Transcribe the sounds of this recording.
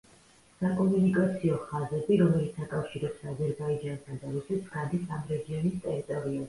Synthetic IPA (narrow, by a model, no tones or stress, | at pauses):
sakʼɔmunikʼat̪sʰiɔχazɛbiɾɔmɛlit̪sʰakʼafʃiɾɛpsazɛɾbaid͡ʒansʰad̪aɾusɛt̪sʰɡad̪isamɾɛɡiɔnist̪ʼɛɾit̪ʼɔɾiɔ